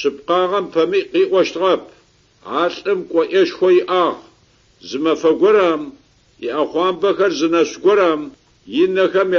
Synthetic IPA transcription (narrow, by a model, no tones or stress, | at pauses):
ɕɨp̚qɑːʁɐmpʰɐmiqiːʔʷɔʃtʁɐpʰ | aːɬʼɨmkʷʼɔʔɐʃxʷɔjɪʔaːʁ | zɨmɐfɐɡʷɔɾam | jɪ̰ʔɐχʷɑːmbɐxɐrzɨnɐɕɡʷɔɾaːm | jɪnɐxɐm